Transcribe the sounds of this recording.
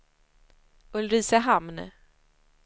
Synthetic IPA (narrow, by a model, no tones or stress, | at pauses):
ɵlɾiːsəɦamn